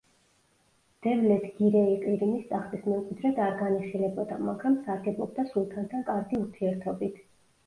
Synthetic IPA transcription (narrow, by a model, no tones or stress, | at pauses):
d̪̥ɛvlɛt̪ʰɡ̥iɾɛiqʼiɾinist̪ʼaχt̪ʼismɛuqʼwid̪ɾɛd̪aɾɡaniχilɛbɔd̪amaɡɾamsaɾɡɛbˠɔb̚d̪asulˠt̪ʰant̪ʰankʼaɾɡiuɾt̪ʰiɛɾt̪ʰɔbit̪ʰ